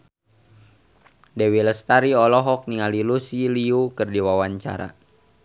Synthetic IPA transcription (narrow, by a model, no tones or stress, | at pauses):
dɛwiləst̪aɾiɔlɔɦɔk̚niŋalilusiliukɨrdiwawaɲt͡ʃa̰ɾa̰